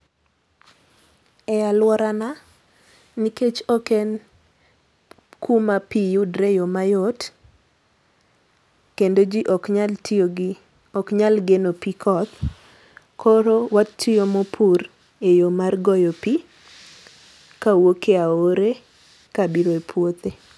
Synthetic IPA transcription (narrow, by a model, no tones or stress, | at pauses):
ɛalwɔɾana | niket͡ʃɔkɛn | kʰumapijudɾejomajot | kendod͡ʒiʔɔkɲaltʰioɡi | ɔkɲalɡenopikʰɔt̪ | kʰɔɾowatʰːijomopʰuɾ | ejomarɡɔjopi | kawokeaoɾe | kabiɾoepʰwot̪e